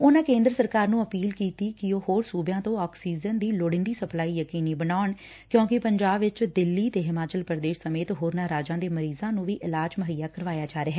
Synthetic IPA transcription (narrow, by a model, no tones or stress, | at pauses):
ʊnãːkẽːnd̪ɾəsəɾkaːɾnũːəpiːlkiːt̪iːkɪoːhoːɾsuːbjãːt̪õːɔːksiːd͡ʒənd̪iːloːɽɪ̃nd̪iːsəplaːiːjəkiːniːbənaːʊɳ | kjõːkɪpəɲd͡ʒaːbʋɪt͡ʃd̪ɪlːiːt̪eːɦɪmaːt͡ʃəlpəɾd̪eːʃsəmeːt̪ɦoːɾnaːɾaːd͡ʒãːd̪eːməɾiːzãːnũːʋiːʔɪlaːd͡ʒməɦəjaːkəɾʋaːjaːd͡ʒaːɾeɦɛː